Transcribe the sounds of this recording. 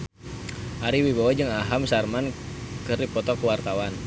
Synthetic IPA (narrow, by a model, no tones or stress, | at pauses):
ʔaɾiwibawad͡ʒɨŋaɦamsarman | kɨrdipɔt̪ɔkuwart̪awan